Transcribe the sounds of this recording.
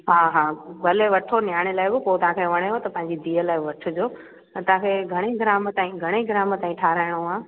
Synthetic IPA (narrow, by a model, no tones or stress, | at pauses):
ɦãːɦaːɡɐleʋɐʈʰonjaːɽ̃elaːɪbɪpoːt̪ɐɦãkʰeʋɐɽ̃eɦot̪ɐpɐ̃ɦɪ̃ɲ̆d͡ʑid̪ʱiːəlaːɪʋɐʈʰʊ̆d͡ʑoː | t̪ɐãːkʰeɡʱɐɽ̃eɡɪɾaːmt̪ãːĩɡʱɐɽ̃eɡɪɾaːmt̪aːĩʈʰaːɾaːɪɽ̃oaː